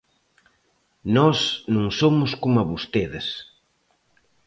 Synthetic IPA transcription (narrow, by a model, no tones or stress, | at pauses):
nɔsnũŋsomʊskomɐβost̪eðɪs